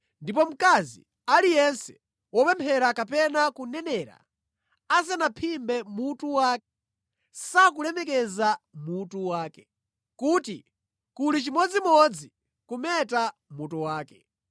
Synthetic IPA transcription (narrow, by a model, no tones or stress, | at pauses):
ndipɔm̩kazḭ | alijɛnsɛ̥ | wɔpɛmpʰɛɾakapɛnakunɛnɛɾa̰ | as̬ɛnapʰimbɛmutuwaːkɛ | sak̬ulɛmɛk̬ɛzamutuwaːkɛ̥ | kuːti | kulit͡ʃimɔd͡zimɔd͡zi | kumɛtamutuwaːkɛ